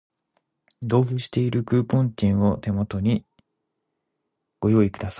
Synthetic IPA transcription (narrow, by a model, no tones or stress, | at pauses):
d̪o̞ːɸɯ̟ɕi̥t̪e̞iɾɯ̟kɯ̟ːpõ̞ɲt͡ɕʲĩɰ̃o̞t̪e̞mo̞t̪o̞ɲ̟i | ɡ̥o̞jo̞ːikɯ̟d̪asḁ